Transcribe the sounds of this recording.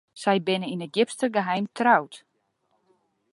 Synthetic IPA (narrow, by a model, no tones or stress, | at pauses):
sɛjbɪnəinət̚ɡɪpstəɡəɦɛjmtʰrawt